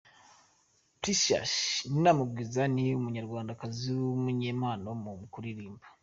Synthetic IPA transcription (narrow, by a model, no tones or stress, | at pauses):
pisa̰ʃninamubɡizaniumuɲaɾɡwaːndakaziumuɲeːmaːnomumukuɾiɾiːmbḁ